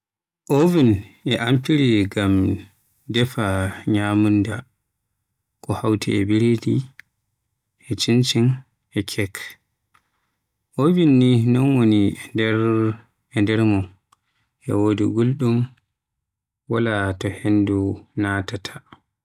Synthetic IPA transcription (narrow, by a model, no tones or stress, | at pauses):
ʔovinɛʔampiɾiɡam | dɛfaɲamunda | kɔhawtʰḭɛbiɾedi | ʔɛt͡ʃint͡ʃin | ʔɛkʰɛk | ʔovinːinɔnwonindɛɾ | ɛndɛɾmɔn | ʔɛ̰wodiɡulɗum | walatɔhendunatatʰḁ